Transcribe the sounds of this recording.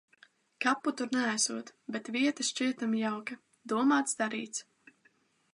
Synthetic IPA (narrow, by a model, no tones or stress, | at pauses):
kapːut̪uɾnɛasuɔt̪bɛt̪viɛt̪ɨʃt͡ʃiɛt̪amjawka | d̪uɔmaːt̪sd̪aɾḭːt̪s